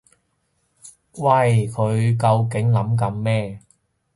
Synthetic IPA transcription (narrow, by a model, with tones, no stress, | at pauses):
wɐ˧˩jkʰɵ˨˧ɥkɐ˧wk̬ɪ˨˥ŋlɐ˨˥mk̬ɐ˨˧mːɛː˥˩